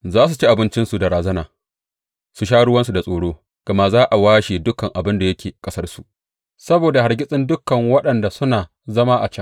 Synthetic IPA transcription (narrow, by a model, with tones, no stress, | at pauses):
zaː˦s̬u˨t͡ʃi˦ʔa˨bɪ˦nt͡ʃɪ˦nsu˨da˨ɽaː˨zɐ˦naː˨ | su˨ʃ̬aː˦ɽʊ˦wɐ˦nsu˨da˨sʼoː˨ɽoː˦ | ɡ̥ɐ˨ma˦zaː˦ʔa˨waː˦ʃe˨dʊ˦kɐ˨ŋʔa˨bɪ˦nda˨jɐ˦kʲeː˨kʼɐ˦sɐ˦rsu˨ʔ | sɐ˦boː˨da˨ha˨rɡʲɪ˦sʼɪ˦ndʊ˦kːɐ˨ŋwɐ˦ɗɐ˨nda˨sʊ˦naː˨ | zɐ˦maː˦ʔa˨t͡ʃɐ˦ŋ